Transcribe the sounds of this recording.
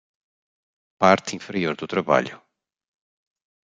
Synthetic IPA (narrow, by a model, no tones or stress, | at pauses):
paɾt̪ĩfɨɾioɾd̪ut̪ɾɐβa̰ʎʊ